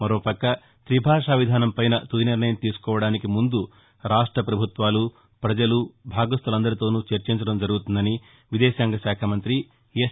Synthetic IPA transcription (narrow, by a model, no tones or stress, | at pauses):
mɐɾoːpɐkːɐ | t̪ɾibʱaːʂaːʋid̪ʱaːnɐmpɐjnɐt̪ujiniɾnɐjɐmt̪iːsu̥kɔːʋɐɽaːnikimund̪u | ɾaːʂʈɾɐpɾɐbʱut̪ʋaːlu | pɾɐd͡ʒɐlubʱaːɡɐst̪ɐlɐnd̪ɐɾit̪o̞ːnut͡ʃeɾt͡ʃiɲt͡ʃɐɽɐmd͡ʒɐɾuɡut̪und̪ɐni | ʋid̪ɛːsaːŋɡɐʃaːkʰamɐnt̪ɾi | je